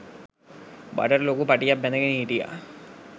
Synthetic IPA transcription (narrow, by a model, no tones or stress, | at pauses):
ba̰ɖəɾloːkupaʈijapːɛnəɡeniiʈija̰